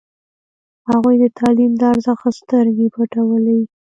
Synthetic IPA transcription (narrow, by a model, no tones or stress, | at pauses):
haɣujd̪ət̪ʰɑlimd̪əaɾzaxast̪əɾɡepaʈawəlawi